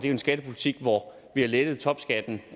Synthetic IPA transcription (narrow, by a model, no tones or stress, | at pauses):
d̥e̝æʊe̝nsɡ̥æd̥əpʰulit͡sʰiɡ̥ʋɒ | ʋihɑ̈led̥əð̞̩ˠt͡sʰɒ̽b̥sɡ̥æd̥n̩